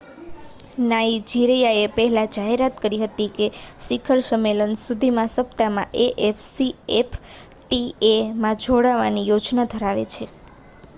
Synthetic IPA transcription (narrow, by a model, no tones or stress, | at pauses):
naid͡ʒiɾejaepɛɦelad͡ʒaɦeɾat̪kəɾiɦət̪ikesikʰəɾsəmelənsud̪ʱimãsəpt̪amã̰ʔeʔefsiepʰ | ʈiemãd͡ʒʱoɽaʋa̰nijod͡ʒnad̪ʱəɾaʋḛt͡ʃʰe